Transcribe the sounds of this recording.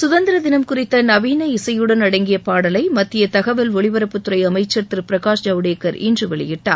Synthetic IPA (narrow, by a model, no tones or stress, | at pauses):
sʊðɐnd̪ɪɾɐðɪnɐmkʊrɪt̪ːɐnɐʋiːnɐɪsɐjɯɽɐnɐɽɐŋɡɪjɐpaːɽɐlɐɪmɐt̪ːɪjɐt̪ɐɣɐʋɐlʋɔɭɪʋɐɾɐpːɯt̪ːɯɾɐɪɐmɐɪt͡ʃːɐɾt̪ɪɾpɪɾɐɣaːʂd͡ʒɐʋɽeːkːɐɾɪ̰ndrɯʋɛɭɪjɪʈːa̰ː